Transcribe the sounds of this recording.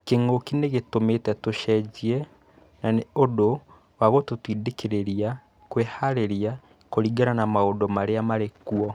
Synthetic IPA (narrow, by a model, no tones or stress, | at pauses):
keŋokineɣetometɛtoʃɛd͡ʑiɛ | naneodo | waɣototwidekeɾeɾia | kwehaɾeɾia | koɾiɡaɾanamaodɔmaɾeamaɾekuɔ